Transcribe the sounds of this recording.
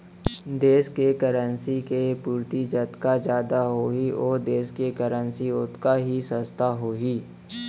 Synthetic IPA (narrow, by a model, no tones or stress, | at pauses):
d̪eːskekəɾənsikepuːɾt̪id͡ʒət̪kad͡ʒjaːd̪aɦoːiɔːɾd̪eːskekəɾə̃nsiʊt̪kaɦisə̃st̪ʰaɦoːiː